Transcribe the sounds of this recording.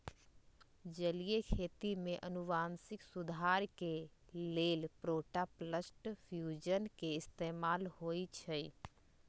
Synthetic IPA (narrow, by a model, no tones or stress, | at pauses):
d͡ʒəlijekʰeːt̪imẽʔənuʋaːnsɪksʊd̪ʱaːɾkeleːlpɾoːʈapləsʈpʰjuːd͡ʒənkeɪst̪eːmaːlɦoːit͡ʃʰə